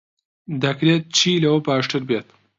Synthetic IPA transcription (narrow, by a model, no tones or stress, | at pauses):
d̪ɐkɾeːt̪̚t͡ʃʰiːlɐwɐbaːʃʈʰɨɾbeːt̪